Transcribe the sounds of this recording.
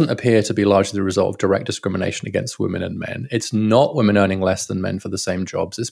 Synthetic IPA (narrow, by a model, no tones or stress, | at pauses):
n̩təpʰɪətʰəbilɑːd͡ʒliðəɹɪzʌ̰ɒlˠtə̰vdəɹɛ̰k̚d̥ɪskɹɪmɪnḛɪʃə̃nəɡɛ̰̃nst̚wɪ̰̃mɨ̃ñə̰̃nmɛ̰̃nɪtsnəʔwɪ̃mɨ̃ñɜːñɪ̃ŋlɛsðə̃nmɛ̰̃nfəðəsẽɪ̃md͡ʒɒ̰bzðɪs